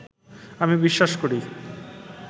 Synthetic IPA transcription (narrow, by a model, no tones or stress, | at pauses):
amibiʃːaʃkoɽi